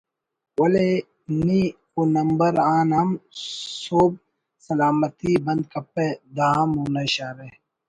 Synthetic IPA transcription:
wɐle | ni | onɐmbɐɾaːnɦɐmsoːb̚ | sɐlaːmɐt̪iːbɐ̃nd̪̚kɐpːed̪ãːmuːnɐɕaːɾe

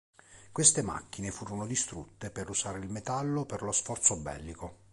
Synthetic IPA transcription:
kwest̪ema̰kːinefuːɾonod̪ist̪ɾut̪ːepeɾusaːɾeilmet̪alːoperlosfɔrt̪sobɛ̰lːiko

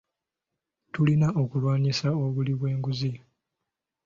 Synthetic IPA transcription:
tulinao̞kulwaːɲisao̞βuliβwe̞ːŋɡuzi

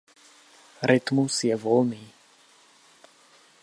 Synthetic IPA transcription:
ɾɛt̪musjɛvɔlniː

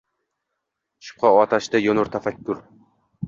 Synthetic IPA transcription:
ʃʊ̥p̚qʰɑɒt̪ʰaʃd̪ajonʊɾt̪ʰafakʲːʊɾ

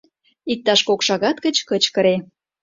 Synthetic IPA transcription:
ik̚t̪ɑʃkokʃɑɣɑt̪kət͡ɕkət͡ɕkə̆ɾe

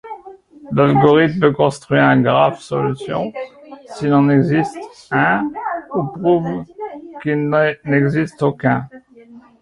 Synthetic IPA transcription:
lalɡɔʁit̪møkɔ̃st̪χɥiʁɛ̃ɡʁavsɔ̰lysjɔ̰̃silɑ̃nɛɡzist̪ɛ̃upχuvkilnnɛɡzist̪okʲɛ̃

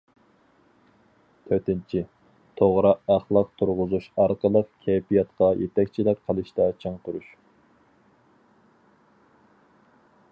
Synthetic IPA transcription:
t̪ʰøɾt̪ɪnt͡ʃʰi | t̪ʰoʁɾɨɑχlˠəq̚t̪ʰuɾʁʊzuʃɑɾqəlˠəqkʲʰɛjpijɑt̪qɑjʔet̪ɛkʲt͡ʃʰilɪk̚ʲqʰəlˠɨʃt̪ɛt͡ʃʰɑŋt̪ʰuɾuʃ

